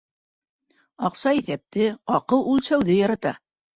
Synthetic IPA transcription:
ɑqsɑiθæp̚t̪ɘɑqɤlˠulˠsæwðɘjɑɾɑt̪ɑ

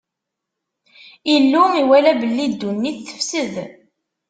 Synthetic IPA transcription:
ilːumiwælæbəlːid̪ːunːiθːə̥fsəð

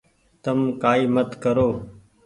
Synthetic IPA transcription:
t̪əmkaːiːmət̪kəɾoː

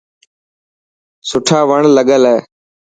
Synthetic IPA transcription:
sʊʈʰaːʋəɳləɠəlɛː

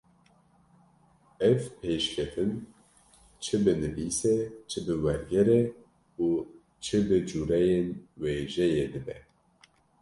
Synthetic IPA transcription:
ɛvpʰeːʃkʲʰɛt̪ʰɨn | t͡ʃʰɨbɨnɨviːsɛt͡ʃʰɨbɨwɛɾɡɛɾɛ | uː | t͡ʃʰɨbɨd͡ʒuːɾɛjenweːʒɛjeːd̪ɨbɛ

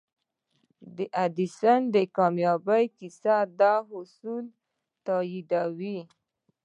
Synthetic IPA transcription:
d̪əʔad̪isand̪əkɑmjɑbəjkisad̪ɑɦʊsul | t̪ɑjid̪awi

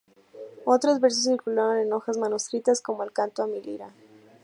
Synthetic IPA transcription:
o̞t̪ɾozβeɾs̬osːiɾkulaɾoneno̞xazmanust̪ɾit̪asko̞moelkant̪oamiliɾa

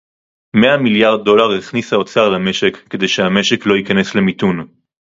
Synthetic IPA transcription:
meamiljaʁd̚ːo̞laʁeχnisao̞t͡saʁlame̞ʃe̞kːe̞d̪e̞jʃehame̞ʃe̞klo̞jikane̞sle̞mitun

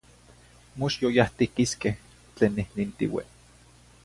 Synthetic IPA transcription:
moʃjojaht̪ikiskeh | t͡ɬeːnːihnint̪ḭwḛ

